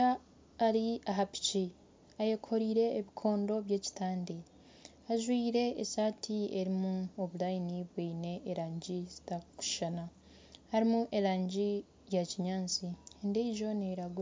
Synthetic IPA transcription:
aː | ɾiaɦapi̥ci | ajekʰo̞ɾiːɾe̞ːβikʰo̞ːndo̞βje̞ːci̥tʰaːndi | aʒwiːɾe̞ːsaːtʰieɾimuoβuɾajiniβwiːne̞ʔːɾaːɲɟizi̥taku̥ʃana | haɾimuʔe̞ɾaːɲɟi | jaciɲaːnziendeiʒo̞neɾaɡo

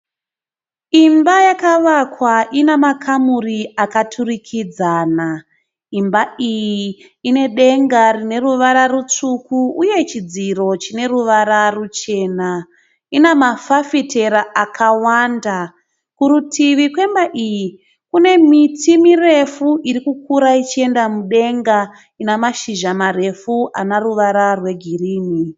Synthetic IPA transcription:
imbajakaʋakwaʔinamakʰamuriakatʰurikʰid͡zaːna | imbaijiː | ne̞ɗe̞ŋɡarine̞ruʋaɾarut͡ʂukuuje̞t͡ʃid͡ziɾo̞t͡ʃine̞ruʋaɾarut͡ʃe̞ːna | inemafafite̞ɾaʔakʰawanda | kuɾutʰiʋikwe̞mbaʔiji | kune̞mitʰimire̞fuʔiɾikukuɾait͡ʃie̞ndamuɗe̞ŋɡa | inamaʃiʒamaɾe̞fua̰naruʋaɾarwe̞ɡʱiriːmi

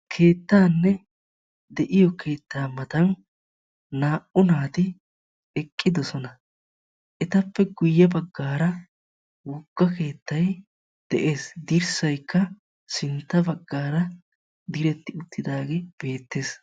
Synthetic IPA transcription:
kʰe̞ːt̪ːaːnːɛ | d̪ɛʔɪjɔkʰe̞ːt̪ːaːmɐt̪ɐn | naːʔʊnaːt̪ɪ | ɛkʼːɪd̪ɔsɔnɐ | ʔɛt̪ɐpːɛɡʊjːɐbɐɡːaːɾɐ | wʊɡːɐke̞ːt̪ːɐj | d̪̥ɛʔe̞ːsd̪iɾsɐjkːɐ | sɪnt̪ːɐbɐɡːaːɾɐ | d̪ɪɾɛt̪ːɪʊt̪ʰːɪd̪aːɡeːb̥e̞ːt̪ːe̞ːs

